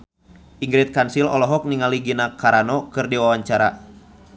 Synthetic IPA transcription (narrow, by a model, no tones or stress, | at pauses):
ʔiŋɡɾɛt̪̚kansilɔlɔɦɔk̚niŋaliɡinakaɾanɔkɨrdiwawaɲt͡ʃaɾa